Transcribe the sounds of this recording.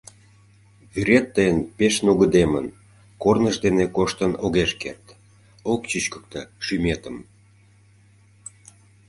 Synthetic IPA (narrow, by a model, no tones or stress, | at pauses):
βyɾet̪ːəjənpeʃnuɣəd̪emə̰n | kornəʒd̪enekoʃt̪ənoɣeʃkḛrt̪ | okt͡ɕyt͡ɕkə̥k̚t̪ə̆ʃymet̪əm